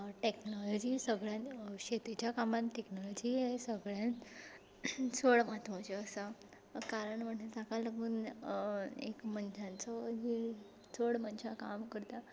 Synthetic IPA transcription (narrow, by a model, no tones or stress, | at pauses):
ʈeknɔlɔd͡ʑisəɡɭjãnɕet̪it͡ɕjakamãnʈeknɔlɔd͡ʑiɦesəɡɭjãn | t͡sʰoɭmat̪ʰʋɔ̃t͡ɕeəsa | kaɾəɳməɳetakaləɡuːn | ḛkmənd͡ʑãnt͡sɔɦi | t͡sʰoɽmənt͡ɕʰakamkəɾt̪a